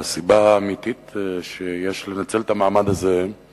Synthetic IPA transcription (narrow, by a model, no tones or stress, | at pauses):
asibaːmit̪it̪ʃejeʃlenat͡selt̪amaamad̪aze